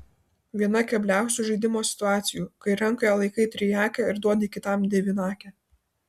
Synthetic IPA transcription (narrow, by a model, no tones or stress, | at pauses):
ʋʲiɛnɐkʲɛbʲlʲæˑʊsʲuːʒɐɪd̪ʲɪmoːsʲɪ̥t̪ʊɑːt̪sʲɪjuːkɐɪɾɐŋˑkojɛlˠɐɪkɐɪt̪ʲɾʲɪjæːkʲɛɪɾd̪uɔd̪ʲɪkʲɪt̪ɐmd̪ʲɛʋʲɪnɑːkʲɛ